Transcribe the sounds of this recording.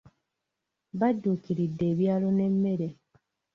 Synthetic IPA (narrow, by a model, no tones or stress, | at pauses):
βadːuːkiɾidːe̞ːβjaːlo̞ne̞mːe̞ɾe̞